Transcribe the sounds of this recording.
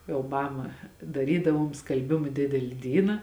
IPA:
jɛʊ ˈmɑːmɐ dɐˈrʲiːdɐʋoːm skɐlʲˈbʲɪmɐ ˈdʲɪdʲɛlʲɪ ˈdʲiːnɐ

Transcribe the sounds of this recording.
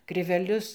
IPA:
krʲɪʋʲɛˈlʲʊs

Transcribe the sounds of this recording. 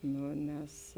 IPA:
ˈnʊ nʲɛs

